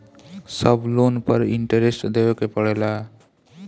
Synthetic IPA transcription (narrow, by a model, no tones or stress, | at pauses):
səblonpəɾḭɳʈəɾesʈd̪eʋəkepəɭela